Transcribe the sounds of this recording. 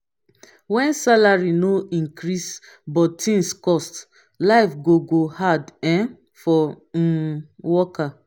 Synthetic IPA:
wɛ̃nsalaɹinoĩŋkɾis | bɔtʰĩŋskɔst | laɪfɡoɡohadɛ̃n | fɔ | wɔka

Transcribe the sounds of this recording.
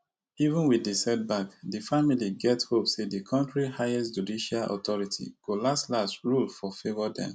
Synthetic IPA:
ivə̃nwiisɛt̚bakdifamiliɡɛthopsedikʰɔ̃ntɹihajɛstd͡ʒudiʃalʔɔ̰tɔɹitʰḭɡ̥olastlastɹulfɔfevɔdɛ̰̃n

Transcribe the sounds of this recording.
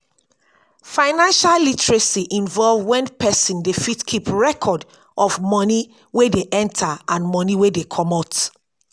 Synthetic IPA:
fãɪnãnʃallitɹesiʔĩnvɔlvwɛ̃npɛsĩndefitkʰipɹɛkʰɔd | ʔɔfmɔni | wedeʔɛ̃ntʰaãnmɔniwedekʰɔmɔt

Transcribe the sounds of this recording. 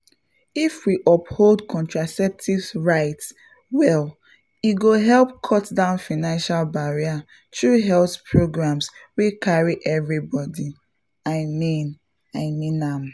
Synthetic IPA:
ifwiʔɔpholdkʰɔ̃ntɹasɛp̚tʰivɹaɪts | wɛl | iɡoɦɛlp̚kʰɔtdãʊ̃nfaɪnãnʃalbaɹia | tɹuɦɛlθpʰɹoɡɹãmswekʰaɹiʔɛvɹibɔdi | aɪmĩn | aɪmĩnam

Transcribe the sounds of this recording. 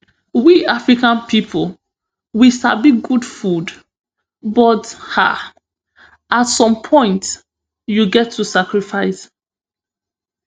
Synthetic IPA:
wiafɹikãnpʰipʰl | wisabiɡudfud | bɔtha̰ | atsɔ̃mpʰɔ̃ɪ̃nt | juɡɛtʰːusakɹifaɪs

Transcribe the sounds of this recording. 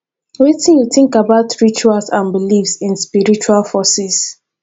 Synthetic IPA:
wetĩnjuθɪ̃ŋkabaʊtɹit͡ʃualsãnbilifsĩnspiɹit͡ʃualfɔsis

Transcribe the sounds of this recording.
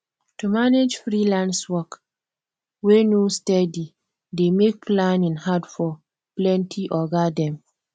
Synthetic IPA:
tumaned͡ʒfɾilãnswɔk | wenustɛdi | demek̚plãnĩnhadfɔ | plɛ̃ntʰiʔɔɡadɛ̃m

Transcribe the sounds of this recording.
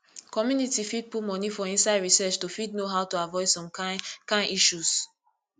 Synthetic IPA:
kɔmjunitifid̚pumɔnifɔĩnsaɪdɹisɛt͡ʃtufidnoɦaʊtuavɔɪdsɔ̃mkãnʔiʃus

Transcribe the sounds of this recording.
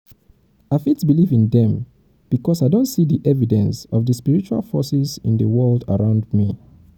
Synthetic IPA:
aɪfitsbilivĩnðɛ̃m | b̥ikɔsaɪdõntsiðiʔɛvidɛ̃nsɔvðəspiɹit͡ʃua̰lˠfɔsizɪ̰̃nðəwɜlˠdə̰ɹãʊ̃ndmi

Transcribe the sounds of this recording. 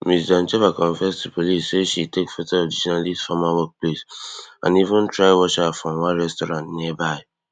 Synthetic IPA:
misdãnt͡ʃevakɔ̃ɱfɛstupʰolisseʃitekfɛtɛadiʃɔnalisfamawɔk̚plesã̰nivə̃ntʰɹaɪwɔʃafɹɔ̃mwãɹɛstɔɾãntniɛbaɪ

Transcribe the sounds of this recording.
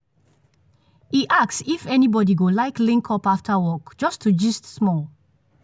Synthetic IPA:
iʔaksifɛnibɔdiɡolaɪklĩŋkʰɔpaftʰəwɔkd͡ʒɔstʰud͡ʒistsmɔl

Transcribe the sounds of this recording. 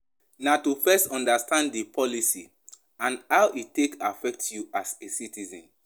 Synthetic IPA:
natufɛstɔ̃ndastãnddepʰɔlisi | ãnhaʊʔitːekafɛk̚tjuasesitizɔ̃n

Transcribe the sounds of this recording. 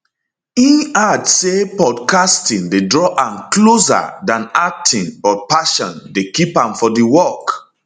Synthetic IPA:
ĩnadsepɔdkastĩŋdedɹɔʔãmklosa̰dãnak̚tʰĩŋbɔt̚paʃɔ̃ndekipãmfɔdiwɔk

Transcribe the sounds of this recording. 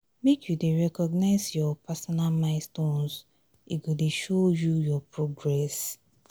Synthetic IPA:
mekʰjudeɹɛkɔɡnaɪzjɔpasɔnalmaɪstõnz | iɡodeʃojujɔpɹoɡɹɛs

